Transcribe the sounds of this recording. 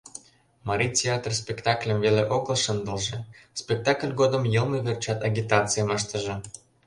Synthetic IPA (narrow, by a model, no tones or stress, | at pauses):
mɑɾʲitʲeat̪rspʲekt̪ɑklʲəmveleʔoɡəlˠʃənd̪ə̆lˠʒĕspʲek̚t̪ɑklʲɡod̪ə̆mjɤlˠnəβʲert͡ɕɑt̪ɑɡʲit̪ɑt͡sɨjəmɤʃt̪ə̆ʒɤ̆